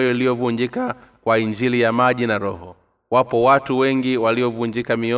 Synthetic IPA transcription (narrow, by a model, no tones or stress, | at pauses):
jɔilijɔvuɲd͡ʒikakwaiɲd͡ʒilijamaʄinaɾɔhɔ | wapɔwatuwɛŋɡiwaliɔvuɲd͡ʒikamiɔ